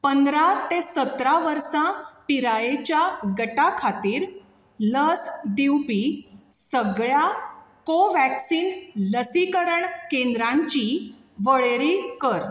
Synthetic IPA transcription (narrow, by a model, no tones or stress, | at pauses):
pənd̪ɾat̪esət̪ɾaʋəɾsãpiɾajet͡ɕjaɡəʈakʰat̪iːɾ | ləsɖiwpisəɡɭjakoʋæksiːnləsikəɾəɳkẽnd̪ɾãɲt͡ɕi | ʋəɭeɾikəɾ